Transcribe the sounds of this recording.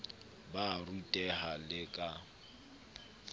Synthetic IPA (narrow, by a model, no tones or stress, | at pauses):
barutʼɛɦalɪkʼa